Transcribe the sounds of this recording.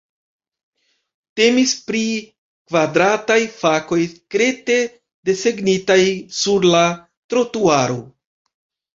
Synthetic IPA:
te̞mispɾi | kvadɾatajfako̞jkɾe̞te̞ | de̞se̞ɡnitajsuɾla | tɾo̞tuaɾo̞

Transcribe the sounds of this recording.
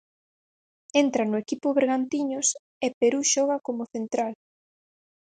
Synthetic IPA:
ent̪ɾanʊekipʊβeɾɣant̪iɲʊs | epeɾuʃɔɣ̞akomoθent̪ɾal

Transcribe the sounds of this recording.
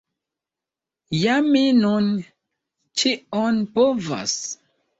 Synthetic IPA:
jaminun | t͡ʃionpova̰s

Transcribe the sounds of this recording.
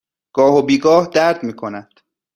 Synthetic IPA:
ɡ̥ɒːhobiːɡɒːhd̪æɾd̪miːkʰonæd̪̥

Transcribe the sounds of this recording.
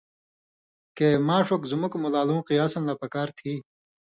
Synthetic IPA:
keːmãːʂokzumukmulaːlũːqiaːsɐnlapɐkaːɾt̪ʰiː

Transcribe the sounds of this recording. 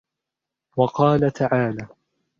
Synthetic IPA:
wɑqɑːlat̪ʰaʕaːlaː

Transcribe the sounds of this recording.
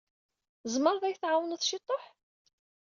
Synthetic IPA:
zˤməɾˤðæjθʕawənθʃit̪ˤːoħ

